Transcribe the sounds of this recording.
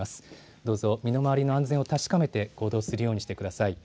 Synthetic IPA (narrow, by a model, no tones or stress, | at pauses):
asɨ̥ | d̪o̞ːzo̞mʲino̞maβaɾʲino̞ãñzẽo̞t̪aɕi̥kame̞t̪e̞ɡ̥o̞ːd̪o̞ːsɨɾɯ̟jo̞ːɲ̟iɕi̥t̪e̞kɯ̟d̪asai